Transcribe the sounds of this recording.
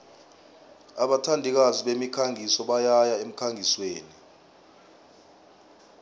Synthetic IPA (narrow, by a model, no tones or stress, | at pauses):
aɓatʰandʱik̬aziɓemikʰaŋʱisɔɓajajaem̩kʰaŋɡʱisweːni